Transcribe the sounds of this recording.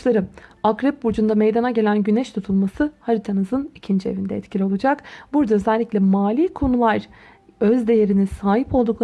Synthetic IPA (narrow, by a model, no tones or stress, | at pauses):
lˠaɾɯmakɾɯp̚bud͡ʒund̪amejd̪anaɟe̞lʲænɟynɛʃt̪ʰut̪ʰulˠmasɯhaɾit̪ʰanɯzɯnicʰind͡ʒievind̪ɛɛt̪cʰilʲio̞lˠud͡ʒakbuɾd̪aøzɛlʲːicʲlʲɛmaːlʲiːkʰo̞nulˠaɾ̥ | øzd̪e̞je̞ɾinisaːɦipʰo̞lˠd̪uklˠa